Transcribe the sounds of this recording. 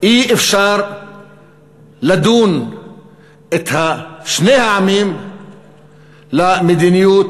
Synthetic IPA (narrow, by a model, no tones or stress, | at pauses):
ʔiːʔɪfʃɑːɾˤ | lad̪uːn | ʔɪt̪hafʃneːhaʕamiːm | lamɪd̪inɪjuːt̪